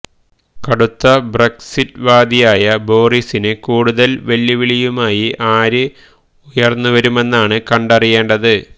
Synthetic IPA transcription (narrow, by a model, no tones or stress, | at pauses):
kɐɽut̪ːɐbreksitːʋaːd̪ijaːjɐbo̞ːrisinɨkuːɽuðɐlʋɐlːiʋiɭijumaːjiʔaːɾɨ | ujɐrnːuʋɐɾume̞nːaːɳɨkɐɳɖɐrije̞ːɳɖɐðɨ